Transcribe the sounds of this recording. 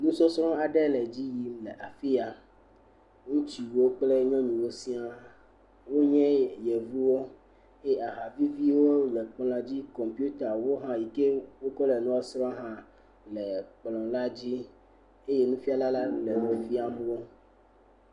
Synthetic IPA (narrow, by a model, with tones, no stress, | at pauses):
nũ˦sɔ˦sɾɔ̃˦a˨ɖɛ˦lɛ˨d͡ʑi˦ji˨mlɛ˨ʔa˨fi˦a˨ | ŋũ˦t͡ɕi˨wo˦k͡plɛ˦ɲɔ̃˦ɲĩ˨wo˦si˦a˨ | wo˦ɲɛ̃˦jɛ˨vu˦wo˦ | ɛ˦a˨ɦa˨vi˦vi˦wo˦lɛ˨k͡plã˨d͡ʑi˦kɔ˨mpi˦u˦t̪a˨wo˦ɦã˦ji˨ke˦wo˦kɔ˦lɛ˨nũ˦a˦sɾɔ̃˦ɦã˦ | lɛ˨k͡plɔ̃˨la˦d͡ʑi˦ | e˦je˦nũ˦fi˦a˦la˦la˦lɛ˨wo˨fi˦a˨m˦wo˦